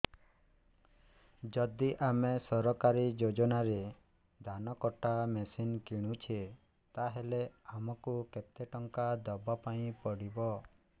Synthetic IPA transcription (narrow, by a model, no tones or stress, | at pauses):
d͡ʒɔd̪iʔamesɔɾɔkaɾid͡ʒod͡ʒɔnaɾe | d̪ʱanɔkɔʈʰːamesinkiɽ̃ũt͡ʃʰi | t̪aɦeleamɔkuket̪eʈɔŋkad̪ɔbapaĩpɔɽibɔ